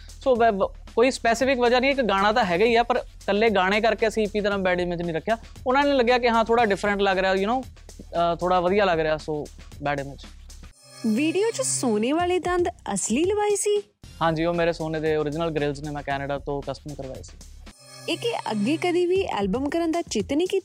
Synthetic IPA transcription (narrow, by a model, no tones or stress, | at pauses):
soː | koːiːspɛːsɪpʰɪkʋəd͡ʒaːnĩːɪkɡaːɽ̃ãːt̪ãːɦɛːɡəiːɛːpəɾ | kəlːeːɡaːɽ̃eːk̬əɾkeːəsĩːpiːt̪əɾãːbɛːɖeːmɪ̃d͡ʒnĩːɾəkʰːjaː | ʊnãːnẽːləɡːjaːkɪɦãːt̪ʰoːɽaːɖɪpʰɾəɳʈləɡɾɪaːjʊnõː | t̪ʰoːɽaːʋəd̪ijaːləɡɾɪaːsoːbɛːɖeːmɪ̃t͡ʃ | ʋiːɖijoːt͡ʃsoːneːʋaːleːd̪ə̃nd̪ə̰sliːləbaːiːsiː | hãːɲd͡ʒiːoːmeːɾeːsoːneːd̪eːoːɾɪd͡ʒnəlɡɾɪlzneːmɛ̃ːkɛːnəɖaːt̪õːkəsʈəmkəɾʋa̰ːḛːsi̥̰ː | ɪkeʔə̰ɡːeːkəd̪iːʋiːɛ̰ːlbəmkəɾənd̪aːt͡ʃɪt̪niːkiːt̪ː